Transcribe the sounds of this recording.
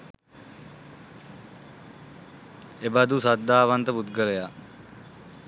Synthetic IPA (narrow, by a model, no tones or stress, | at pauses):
ebad̪usad̪ːaːʋant̪əput̪ɡəɾəja